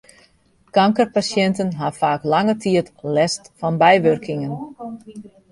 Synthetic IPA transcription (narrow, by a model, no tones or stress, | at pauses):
kaŋkərpasjɛntənɦafaːklaŋətʰiətlɛstfɑnbɛjʋørkʰɪŋən